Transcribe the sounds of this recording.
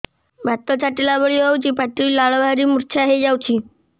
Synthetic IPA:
bʱat̪ət͡saʈilabəɭiɦowt͡ɕiːpaʈiːlaɭbʱaɾiːmuɾt͡ɕʰaɦed͡ʑawt͡ɕiː

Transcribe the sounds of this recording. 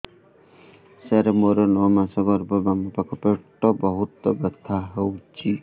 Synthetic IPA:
sɛɾemoɾɔnɔmasɔɡɔɾbɔbamɔpakʰɔpeʈːɔbɔɦut̪ɔbet̪ʰaɦewt͡ʃʰi

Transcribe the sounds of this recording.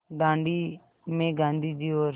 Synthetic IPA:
ɡãːɳɖiː | mẽːɡãːnd̪iːd͡ʒiːoːɾ

